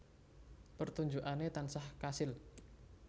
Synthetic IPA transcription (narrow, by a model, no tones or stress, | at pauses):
pərt̪uɲd͡ʒuʔanet̪ansahkasɪl